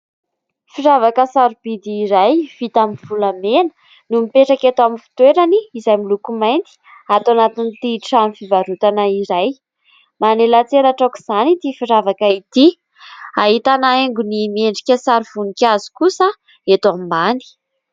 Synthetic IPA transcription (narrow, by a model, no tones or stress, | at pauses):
fiɾavakəsaɾub̥id̪iːɾajv̥it̪amivulamenə̥ | numipeʈ͡ʂaket̪aminfi̥t̪weɾaniːzajmilukumajnt̪i̥ | at̪wanat̪init̪iʈ͡ʂamifivaɾut̪anaiɾaj | manelat͡seɾaʈ͡ʂakuz̥anit̪ifiɾavakait̪i | aɦit̪anaeŋɡunimieɳɖ͡ʐikʲəsaɾiv̥unikʲazi̥kusə | et̪amimani̥